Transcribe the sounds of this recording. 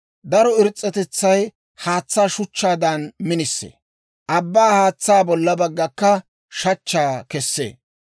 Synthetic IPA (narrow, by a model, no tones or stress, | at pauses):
d̪ɐɾɔɪɾt͡sʼːɛt̪ɛt͡sːɐj | haːt͡sːaːʃʊt͡ʃːaːd̪ɐnmɪnɪsːḛː | ʔɐbːaːhaːt͡sːaːbɔlːɐbɐɡːɐkːɐ | ʃɐt͡ʃːaːkɛsːḛː